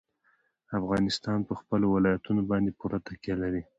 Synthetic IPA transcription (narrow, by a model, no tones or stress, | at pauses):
afɣɑnɪst̪ɑnpəxpəlowɪlɑjat̪unobɑnd̪epuɾat̪akjalaɾi